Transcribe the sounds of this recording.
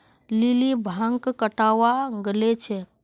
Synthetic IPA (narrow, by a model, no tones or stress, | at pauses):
lilibʱãŋkkəʈawaɡəlet͡ʃʰɛ